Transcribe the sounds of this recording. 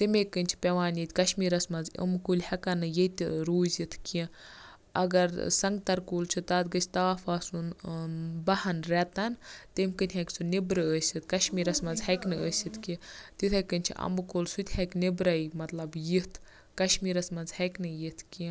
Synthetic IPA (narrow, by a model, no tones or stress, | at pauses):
t̪imʲekːɨnʲt͡ʃʰi̥pʲeʋaːnjit̪ʲkɐʃmiːɾɐsmɐnzə̰mkulʲhɐkɐnːɨjet̪ʲɾuːzit̪ʰkiĩ | ɐɡɐɾsɐŋɡt̪ɐɾkuːlt͡ʃʰɨt̪aːt̪ɡəsʲt̪aːfaːsun | bɐhɐnɾɛt̪ɐnt̪imkɨnʲɦɐkʲt͡sʰunibɾɨəːsʲɨt̪̚ʰkɐʃmiːɾɐsmɐnzhɐkʲnɨəːsʲɨt̪kit̪it̪ʰɐkːənʲt͡ʃʰḭʔɐ̰mbɨkoːlsut̪ʲhɐknibɾɐjmɐt̪lɐbjit̪ʰ | kɐʃmiːɾɐsmɐnzhɐkʲnɨjit̪ʰkĩ